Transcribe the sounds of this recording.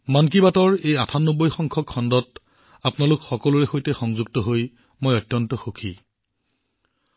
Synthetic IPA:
mank̬ibatɔɹejatʰanːobɔjxɔŋkʰɔkʰːɔndɔt | apnalʊkxɔkɔluɹɛxojtɛxɔŋzuɡ̚tɔɦoj | mojɔtːjɔntɔxokʰi

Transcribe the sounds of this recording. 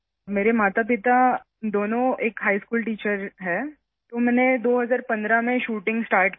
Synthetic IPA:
meːɾemaːt̪ap̬ɪt̪a | d̪oːnõeːkɦaːiskuːlʈiːt͡ʃəɾɦɛː | t̪omɛːned̪oːɦɐzaːɾpɐ̃nd̪ɾamẽʃuːʈɪ̃ŋɡsʈaːɾʈ

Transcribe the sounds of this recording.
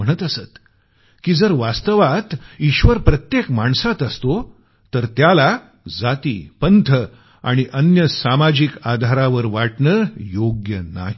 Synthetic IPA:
əɽ̃ət̪əsət̪ | kiːd͡zəɾʋast̪əʋat̪iɕʋəɾpɾət̪jekmaɳsat̪əst̪o | t̪əɾt̪jala | d͡zat̪ḭːpənt̪ʰə | a̰ɽ̃iʔənjəsamad͡ʑikad̪ʱaɾaʋəɾʋaʈɳəːjoɡjəna̰ɦi

